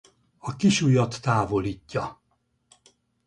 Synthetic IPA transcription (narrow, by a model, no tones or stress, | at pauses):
ɒkiʃujɒt̪ːaːvo̞liːcːɒ